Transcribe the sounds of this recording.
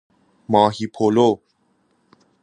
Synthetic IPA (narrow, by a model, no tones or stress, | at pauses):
mɑːɦipʰoːlo